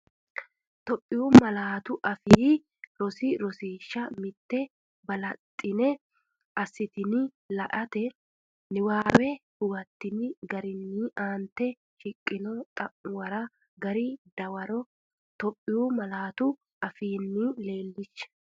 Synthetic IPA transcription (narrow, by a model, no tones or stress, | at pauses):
t̪ɔpʼːɪjuːmɐlaːt̪ʊʔɐfiː | ɾɔsɪɾɔsiːʃːɐmɪt̪ːɛ | bɐlɐt̪ʼːɪnɛ | ʔɐsːɪt̪ɪnɪ | lɐʔɐt̪ɛ | nɪwaːwɛhʊwɐt̪ːɪnɪɡɐɾɪnːiːʔaːnt̪ːɛ | ʃɪkʼːɪnɔt̪ʼɐʔʊwɐɾɐ | ɡɐɾid̪̥ɐwɐɾɔ | t̪ɔpʼːɪjumɐlaːt̪ʊ | ɐfiːnːile̞ːlːɪʃːɐ̥